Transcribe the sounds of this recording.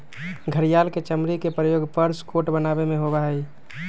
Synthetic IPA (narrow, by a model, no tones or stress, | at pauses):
ɡʱəɾijalket͡ʃəmɾikepɾəjoɡpəɾskoʈbənabemeɦobaɦəj